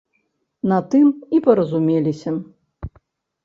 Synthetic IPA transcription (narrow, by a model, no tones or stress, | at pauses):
nɐt̪ɨmipɐɾɐzumʲelʲisʲɐ